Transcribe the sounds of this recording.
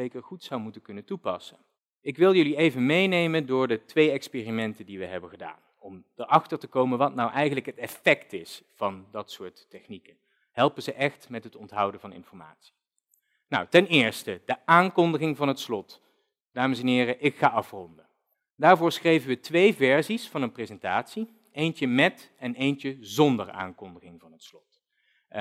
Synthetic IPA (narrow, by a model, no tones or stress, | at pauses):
ejkəɹχutsʌwmutənkɵnətupɑsən | ɪkʋɪlˠjɵliejvənmejnejməndʊːɹdətʋejɛkspeːrimɛntəndiʋəɦɛbəχəda̰ːn | ɔmd̥əɹɑχtəɹtəkowmənʋɑtnɑwʔɛjχənləkɦətɛfɛktɪsfɑndɑtsʊːɹtːɛχnikə | ɦɛlˠpəzəʔɛχtmɛtɦətɔntɦʌwdənvɑnɪ̰nfɔɹma̰ːtsi̥ | na̰wtɛnɪːɹstəd̥əʔaːnkɔndəχɪŋvɑnɦətslɔt | d̥aːməsɛnɦɪːrəʔɪkχaːɑfrɔndə | daːɹvʊːɹsχrejvəʋətʋejvɛɹzisfɑnənprezɛntaːtsi | ejnt͡ʃəmɛt | ɛnejnt͡ʃəzɔndəɹa̰ːŋkɔndəχɪŋvɑnɦətslɔt